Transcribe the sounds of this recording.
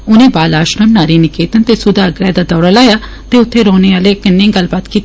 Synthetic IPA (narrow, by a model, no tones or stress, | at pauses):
ʊnẽːbaːlaːʃɾəmnaːɾiːnɪkeːt̪ənt̪eːsʊd̪aːəɡɾjaːd̪aːd̪ɔːɽaːlaːjaː | t̪eːʊt̪ʰːeːɾɔːneːaːleːkɪnːẽːɡəlbaːt̪kiːt̪ː